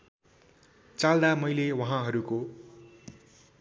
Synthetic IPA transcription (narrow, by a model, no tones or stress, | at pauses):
t͡sald̪amʌjlewʌɦãɦʌɾuko